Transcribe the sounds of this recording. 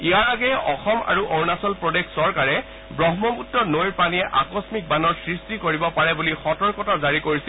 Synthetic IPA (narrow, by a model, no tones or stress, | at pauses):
iaɹaɡɛʔɔxɔma̰ɹuʔoɹnasɔlpɹɔdekʰsɔɹkaɹɛ | bɹɔɦmɔmutːɔnojɹpaniɛʔakɔsmik̚banɔɹsɹistikoɹibɔpaɹɛbulixɔtɔɹkɔtazaɹikoɹisil